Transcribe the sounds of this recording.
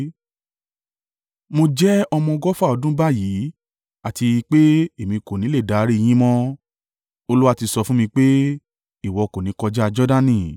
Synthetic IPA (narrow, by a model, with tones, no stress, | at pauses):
mo˧d͡ʒɛ˦ɔ˧mɔ̃˧ɡɔ˦fa˦˨ɔ˧dũ˦ba˦˨ji˨˦ | a˨ti˧k͡pe˦e˨mĩ˧ko˨nĩ˨˦le˦˨da˨˦ɾi˦i˧j̃ĩ˦mɔ̃˦ | o˧lu˦wa˦ti˧sɔ˧fũ˦mĩ˧k͡pe˦ | i˨wɔ˧ko˨nĩ˨˦kɔ˧d͡ʒɛ˦a˧d͡ʒɔ˦da˦nĩ˦˨